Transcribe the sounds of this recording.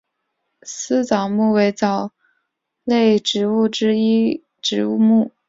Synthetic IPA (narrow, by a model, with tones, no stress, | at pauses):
s̩˥t͡sɑ˨˩ʊmu˥˩we˧˥ɪt͡sɑ˨˩ʊ | le˥˩ɪʈ͡ʂɻ̩˧˥u˥˩ʈ͡ʂɻ̩˥i˥ | ʈ͡ʂɻ̩˧˥u˥˧mu˥˩